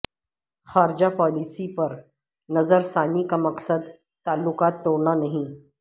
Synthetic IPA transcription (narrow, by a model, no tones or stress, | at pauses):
xaːɾd͡ʒapɔːliːsipɐɾ | nɐzəɾsaːnikamɐksəd̪ | t̪aːlːʊkaːt̪̚ːoːɾnanɐɦĩː